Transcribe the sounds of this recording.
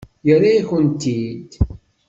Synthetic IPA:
jəɾaiçənt̪ːid̪

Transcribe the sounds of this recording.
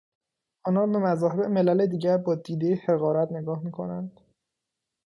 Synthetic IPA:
ʔɒːnɒːbe̞mæzɒːɦeeʔeme̞læle̞d̪iːɟæɾbɒːd̪iːd̪ejehe̞ɣɒːɾæt̪ne̞ɡɒːhmiːkʰo̞̰nænd̪̥

